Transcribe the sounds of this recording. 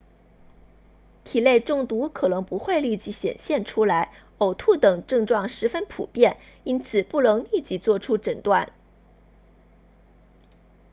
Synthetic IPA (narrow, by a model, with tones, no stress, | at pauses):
t̪ʰi˨˩le˥˧ɪʈ͡ʂʊ˥˩ŋt̪u˧˥kʰɤ˨˩nɤ˧˥ŋpu˧˥xwe˥˧ɪli˥˩t͡ɕi˧˥ɕjɛ̰˨˩nɕjɛ˥˩nʈ͡ʂʰu˥la˧˥ɪ | o˨˩ʊt̪ʰu˥˩t̪ɤ˨˩ŋʈ͡ʂɤ˥˧ŋʈ͡ʂwɑ˥˩ŋʂɻ̩˧˥fə˥npʰṵ˨˩pjɛ˥˩n | i˥nt͡sʰɹ̩˨˩pu˥˩nɤ˧˥ŋli˥˩t͡ɕi˧˥t͡swɔ˥˩ʈ͡ʂʰu˥ʈ͡ʂə˨˩nt̪wa˥˩n